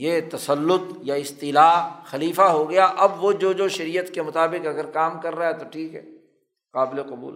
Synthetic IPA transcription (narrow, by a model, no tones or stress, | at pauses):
jeːt̪ɐsəlːʊt̪jaɪst̪iːlaːɦxɐliːfaɦoɡɐjaʔɐbʋod͡ʒoːd͡ʒoːʃɐɾiːjət̪kemʊt̪aːbɪqɐɡəɾkaːmkɐɾːaaɛt̪oʈʰiːkɦɛ̰ː | qaːbɪleqɐbṵːl